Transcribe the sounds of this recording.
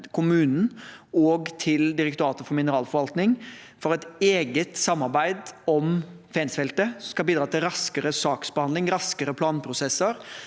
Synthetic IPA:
kʰʊmʉːnn̩ɔːɡt̪ʰɪld̪ɪɾɛkt̪ʊɾɑːt̪əfɔɾmɪnəɾɑːlfɔɾʋɑlt̪nɪŋ | fɔɾɛt̪eːɡət̪sɑmːɑɾbæɪd̪ɔm | fɛːnsfɛlt̪əsɔmskɑlbiːd̪ɾɑːt̪ɪlɾɑskəɾəsɑːksbəhɑnd̪ɪŋɾɑskəɾəpʰlɑːnpʰɾʊsɛsəɾ

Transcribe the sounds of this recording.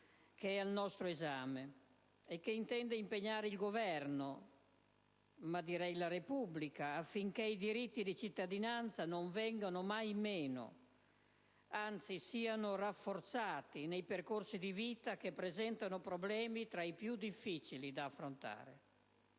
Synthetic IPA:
keɛalnɔst̪ɾoɛzaːme | ɛkːeint̪ɛnd̪eimpeɲːaːɾeilɡovɛrno | mad̪iɾɛjlaɾepubːlikaːfːiŋk̟eid̪iɾit̪ːid̪it͡ʃit̪ːad̪inant̪sanoɱvɛŋɡanomajmɛːno̰ | ant̪sisiːanorafːort̪saːt̪inejperkorsid̪iviːt̪akepːɾezɛnt̪anopɾoblɛːmit̪ɾaipjud̪ifːit͡ʃilid̪aːfːɾont̪a̰ːɾḛ

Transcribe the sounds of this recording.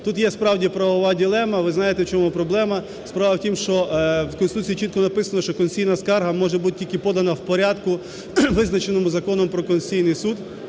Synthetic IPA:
t̪ut̪jɛspɾɑwdʲipɾɐʋɔʋɑdʲilˠɛmɐʋɪznɑjet̪ɛwt͡ʃɔmupɾɔblˠɛmɐ | spɾɑʋɐwtʲimʃt͡ʃɔwkɔnsɪt̪ut͡sʲijit͡ʃit̪kɔnɐpɪsɐnɐʃt͡ʃɔkɔnʲijnɐskɑrɦɐmɔʒɛbut̪̚tʲilʲkɪpɔd̪ɐnɐwpɔɾʲad̪kʊ | ʋɪznɐt͡ʃenɔmʊzɐkɔnɔmpɾɔkɔnʲsʲijnɪjsud̪

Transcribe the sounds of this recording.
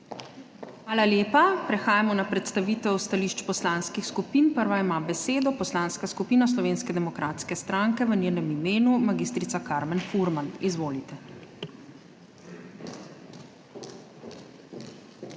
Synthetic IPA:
xʋaːlaljeːpapɾɛxaːjamɔnapɾɛt̪st̪aʋiːt̪ɛwst̪aliʃt͡ʃpɔslanskixskupinpəɾʋaimaːbɛseːd̪ɔpɔslaːnskaskupiːnaslɔʋeːnskɛd̪ɛmɔkɾʔaːt̪skɛst̪ɾaŋkɛʋənʲjeːnɛmimeːnumaɡiːst̪ɾit̪sakaɾmɛnfuɾmanizʋoːlit̪ɛ

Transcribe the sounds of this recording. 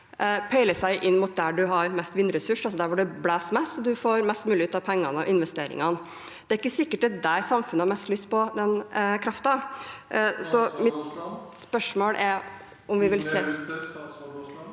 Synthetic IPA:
pʰæɪləsæɪʔɪnːmʊt̪̚d̪æɖʉɦɑɾmɛst̪ʋɪnːɾɛsʉʂɑlsɔd̪æɾʋʊɖɛblæːsmɛsɔd̪ʉfoːɾmɛst̪mʉːlɪʉːt̪ɑʋpʰɛŋːɑnəɔ̰ʔɪnʋɛst̪eːɾɪ̰ŋɑn | d̪̥ɛæɾɪkːəsɪkːəʈ̪ɛd̪æɾsɑmfʉnəhɑɾmɛst̪lyst̪̚pɔd̪ɛnkʰɾɑft̪ɑ | sɔmɪt̪spœʂmoːɽʔɛɾ | ʊmʋɪʋɪlseː

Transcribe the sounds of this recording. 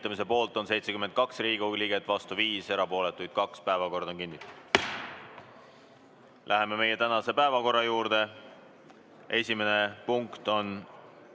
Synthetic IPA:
t̪ːˑɑmis̬e̞po̞ːlt̪ˑo̞nse̞jt̪se̞kyme̞nt̪̚kɑksriːɡ̥uliɡ̥e̞t̪ːˑvɑst̪uviːse̞ɾɑpo̞ːle̞t̪ːˑujd̪̥kɑkspæevɑko̞rd̪ɑoŋkinːit̪ːˑu̥d̪̥ | lʔæɦe̞me̞me̞je̞t̪ænɑse̞pæevɑko̞rːɑjuːɾd̪̥e̞ | ʔe̞sʲime̞ne̞puŋkt̪o̞n

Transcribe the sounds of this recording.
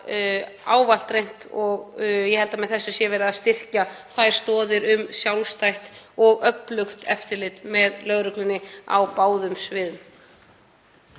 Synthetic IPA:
aːwval̥t̪ɾejn̥t̪ɔɣjɛhɛlt̪amɛðθɛsːʏsjɛvɛːɾɪðaðst̪ɪr̥caθajɾ̥st̪ɔːðɪɾʏmsjawlst̪ajht̪ɔɣœplʏxt̪ʰɛft̪ɪɾlɪt̪mɛðlœɣɾʏklʏnːɪa̰wpaːwðʏmsvɪːðʏm

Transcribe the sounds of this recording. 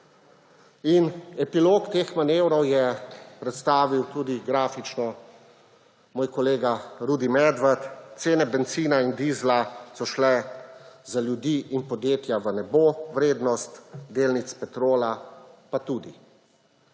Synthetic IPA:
inɛpiloːkt̪eːxmaneːwɾɔwjɛpɾɛt̪st̪aːʋiwt̪uːd̪iɡɾaːfit͡ʃnɔ | moːjkɔleːɡaɾuːd̪imɛd̪ʋəɾt̪seːnɛbɛnt̪siːnaind̪iːzlasɔʃlɛ | zaljud̪iːʔinpɔd̪jeːt̪jaʋənɛboʋɾeːd̪nɔst̪d̪eːlnit̪spɛt̪ɾoːlapat̪uːd̪i

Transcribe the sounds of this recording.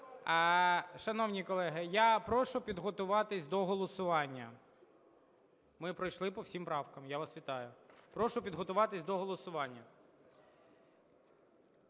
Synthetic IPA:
ʃɐnɔwnʲikɔlˠɛɦɪjapɾɔʃʊpʲid̪ɦɔt̪ʊʋɑt̪ɪsʲd̪ɔɦɔlˠɔsʊʋɑnʲːɐ | mɪpɾɔjʃlˠɪpɔwsʲimpɾɑwkɐmjaʋɐsʋʲit̪ɑjʊpɾɔʃʊpʲid̪ɦɔt̪ʊʋɑt̪ɪsʲd̪ɔɦɔlˠɔsʊʋɑnʲːɐ

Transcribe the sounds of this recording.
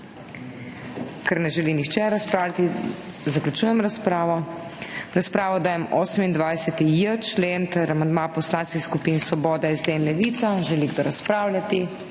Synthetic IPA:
kɛɾnɛʒɛlinixt͡ʃɛɾaspɾaːwlʲat̪i | zaklʲut͡ʃuːjɛmɾaspɾaːʋɔ | ɾaspɾaːʋɔd̪aːjɛmoːsəmind̪ʋajsɛt̪ijət͡ʃleːnt̪ɛɾamand̪mapɔslanskiskupiːnsɔbɔːd̪ɛizd̪eːnlɛʋit̪saʒɛliɡd̪ɔɾaspɾaːwlʲjat̪i

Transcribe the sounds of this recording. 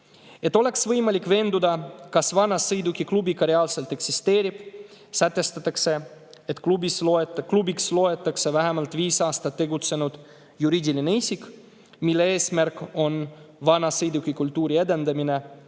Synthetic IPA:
e̞t̪ːˑo̞le̞ksvɤjmɑlʲikːˑve̞ːnd̪ud̪ɑkɑsvɑnɑsɯjd̪ukːiklubikɑɾeɑːlse̞lt̪e̞ksist̪e̞ːɾib̥ | sæt̪ːˑe̞st̪ɑt̪ːˑɑkse | et̪ˑklubisklubikslo̞et̪ːˑɑksevæɦɛmɑlt̪ˑviːsɑːst̪ɑt̪ːe̞ɡut̪se̞nud̪̥ | juɾiːd̪ʲilineisik | milːee̞ːsmærkːˑo̞nvɑnɑsɯjd̪ukikult̪ːuːɾie̞d̪e̞nd̪ɑmine̞

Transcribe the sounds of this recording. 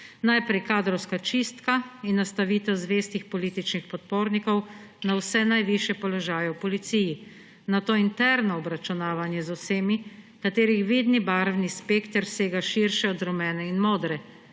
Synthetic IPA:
najpɾɛjkaːd̪ɾɔwskat͡ʃist̪kainːast̪aʋiːt̪ɛwzʋeːst̪ixpɔliːt̪it͡ʃnixpɔt̪̚poːɾnikɔw | nawsɛnajʋiʃjɛpɔlɔʒaːjɛwpɔlit̪siːji | nat̪oːint̪ɛɾnɔɔbɾat͡ʃunaːʋanjɛzɔwseːmi | kat̪eːɾixʋiːd̪nibaɾwnispeːkt̪əɾseːɡaʃiɾʃɛɔd̪ɾɔmɛːnɛinmoːd̪ɾɛ

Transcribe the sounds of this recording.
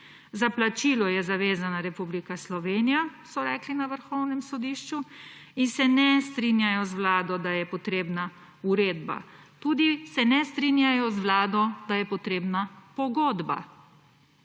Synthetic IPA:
zaplat͡ʃiːlɔjɛzaʋeːzanaɾɛpublikaslɔʋeːnijasɔɾɛːklinaʋəɾxɔwnɛmsɔd̪iːʃt͡ʃuinsɛnɛst̪ɾinjajɔzʋlaːd̪ɔd̪ajɛpɔt̪ɾeːbna | uɾeːd̪ba̰ | t̪uːd̪isɛnɛst̪ɾinjajɔzʋlaːd̪ɔd̪ajɛpɔt̪ɾeːbnapɔɡoːd̪ba̰

